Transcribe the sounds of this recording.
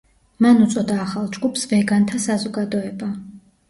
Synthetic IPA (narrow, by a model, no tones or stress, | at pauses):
manut̪sʼɔd̪aːχalˠd͡ʒɡʼupʰsvɛɡant̪ʰasazɔɡad̪ɔɛba